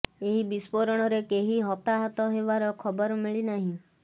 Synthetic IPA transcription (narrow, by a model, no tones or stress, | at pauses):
eɦibispoɾɔɽ̃ɔɾekeɦiɦɔt̪aɦat̪ɔɦeβaɾɔkʰɔbɔɾmiɭinaɦĩ